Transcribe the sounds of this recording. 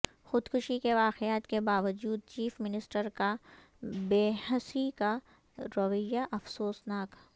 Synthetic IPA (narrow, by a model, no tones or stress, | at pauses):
xʊd̪kʰʊʃikeʋaːqeaːt̪kebaːʋəd͡ʒuːd̪̚t͡ʃiːfmɪnɪsʈəɾka | beːhəsika | ɾɐʋəjːaʔɐfsoːsnaːk